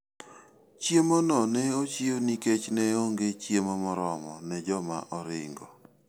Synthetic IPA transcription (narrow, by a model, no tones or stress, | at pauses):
t͡ʃjemonɔnɛot͡ʃioniket͡ʃnɛoŋɡet͡ʃjemɔmɔɾɔmɔnɛd͡ʒɔma̰ʔɔɾɪ̰ŋɡɔ